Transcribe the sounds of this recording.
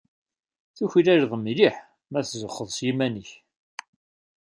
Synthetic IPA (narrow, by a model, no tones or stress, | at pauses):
θuçilæɾðˤmliħ | mæθzəχːəðˤsjimænəç